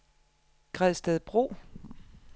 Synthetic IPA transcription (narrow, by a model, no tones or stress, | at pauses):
ɡ̥ʁɛðˠsd̥ɛðˠb̥ʁo̝̰ː